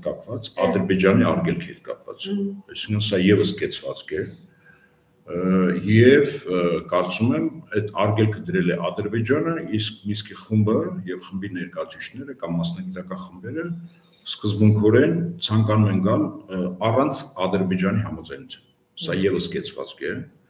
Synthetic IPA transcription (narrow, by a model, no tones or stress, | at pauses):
kɑpvɑt͡sɑd̪əɾbɛd͡ʒɑniɑɾɡɛlkʰiɛt̪kɑ̰pvɑ̰t͡sɑjsiŋkʰənsɑjɛvəskɛt͡sʰvɑ̰t͡skʰɛ | jɛvkɑɾt͡sumɛmɛt̪ʰɑrɡɛlkʰəd̪əɾɛlɛʔɑd̪əɾbɛd͡ʒɑnəisk̚niskiχumbəjɛvχəmbinɛɾkɑjut͡sʰit͡ʃʰnɛɾəkɑmːɑsnɑɡit̪ɑkɑnχəmbɛɾə | skəzbuŋkʰɔɾɛnt͡sʰɑŋkɑnumɛnɡɑlɑrɑnt͡sʰɑd̪əɾbɛd͡ʒɑniɦɑmɑd͡zɑjnut͡sʰu̥n | sɑjɛvəskɛt͡sʰvɑ̰t͡skʰɛ